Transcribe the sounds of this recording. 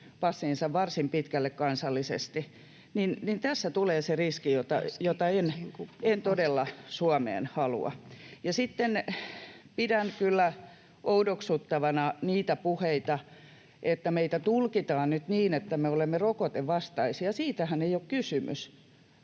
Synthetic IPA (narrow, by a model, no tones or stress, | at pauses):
ʋɑsːiːnsɑʋʋɑrsimpit̪kælːekkɑnsɑlːisḛst̪i | ninnint̪æsːæt̪uleːseriskijot̪ɑ̰jot̪ɑenent̪odelːɑsuɑmḛːnhɑlṵɑ̰jɑsit̪ːen | pidænkylːæ | ʔoudoksut̪ːɑʋɑnɑniːt̪æpuheit̪ɑ | ʔet̪ːæmeit̪æt̪ulkit̪ɑːnnyt̪niːnet̪ːæmeolemːerokot̪eʋʋɑst̪ɑisiɑsiːt̪æhæneijokkysymy̰s